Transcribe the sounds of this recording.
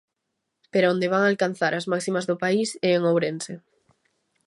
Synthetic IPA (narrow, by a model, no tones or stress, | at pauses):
peɾaond̪eβaŋalkan̟θaɾʔazmaksimazðʊpaiseːŋowɾense